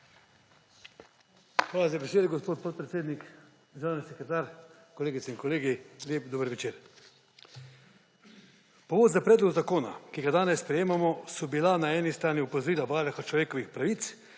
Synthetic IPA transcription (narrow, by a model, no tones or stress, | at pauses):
xʋaːlazabɛseːd̪ɛɡospoːt̪̚pɔt̪̚pɾet̪seːd̪nik | ʒaːnisɛkɾɛt̪aːɾ | kɔleːɡit̪sɛinkɔleːɡiljeːpd̪oːbəɾʋɛt͡ʃeːɾ | pɔʋoːd̪zapɾɛːd̪lɔɡzakoːna̰kiɡad̪aːnɛsspɾɛjeːmamɔsɔbilanaɛːnist̪ɾaːniɔpɔzɔɾiːlabaːɾaxat͡ʃlɔʋeːkɔʋixpɾaʋiːt̪s